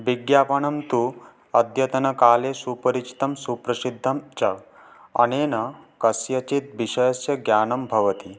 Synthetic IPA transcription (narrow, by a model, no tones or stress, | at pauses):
ʋiɡjaːpɐɳɐmt̪u | ɐd̪ʱjɐt̪ɐnɐkaːlesuːpɐɾit͡ʃi̥t̪ɐmsupɾɐsid̪ʱːɐmt͡ʃɐ | ɐ̰neːnɐkɐsjɐt͡ʃit̪̚ʋiʃɐjɐsjɐɡjaːnɐmbʱɐʋɐt̪i